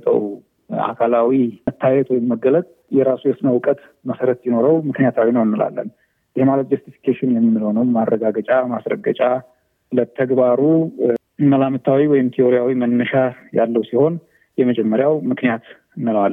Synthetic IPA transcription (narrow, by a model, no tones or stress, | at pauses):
t̪ʰʼə̰w | a̰kʰalawimət̪ʰːajɛt̪wɔjɪmːəɡələt̪ʼ | jɛɾasujɛsnəwkʼət̪ | məsəɾət̪jɪno̞ɾəwmɨknijat̪ʰawinəwɨnːɨla̰lːə̰n | jɪhmalət̪d͡ʒust̪ifi̥kʰeʃɪnjɛmːɨmːɨlho̞nəwmarːəɡaɡət͡ʃʼamasɾə̰ɡət͡ʃʼa | lət̪ʰəɡbaɾu | məlamɨt̪ʰːawiwɔjɪmt̪ʰioɾijawimənːəʃaja̰lːəwsiho̞n | jɛməd͡ʒɛmːəɾjawmɨknijat̪ | ɨnːɨlal